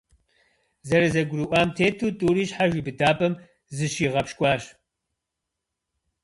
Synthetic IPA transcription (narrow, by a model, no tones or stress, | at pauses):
zɐɾɐzɐɡʷɾuʔʷaːmtʰeːtʰuːtʼuːɾiːɕħaʒʷiːbɨdaːpʼɐm | zɨʃiːʁɐpʃkʷʼɑːɕ